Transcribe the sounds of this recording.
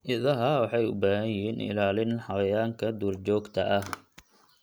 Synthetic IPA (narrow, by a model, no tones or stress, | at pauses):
ʔɪðɐɦɐwɑħɑjʊ̰baːɦɐjjɪɦiːnʔɪ̰laːlɪnħɑwɐjaːŋkʰɐd̪uːrt͡ʃɔːɡt̪ʰɐʔɐh